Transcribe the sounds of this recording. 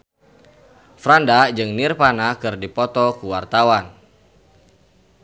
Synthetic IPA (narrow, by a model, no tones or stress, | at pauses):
fɾandad͡ʒɨŋnirpanakɨrdipɔt̪ɔkuwart̪awan